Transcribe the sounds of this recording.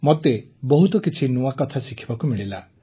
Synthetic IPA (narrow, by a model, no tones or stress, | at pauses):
mot̪e | bɔɦut̪ɔkit͡ʃʰinuakɔt̪ʰasikʰi̥bakumiɭila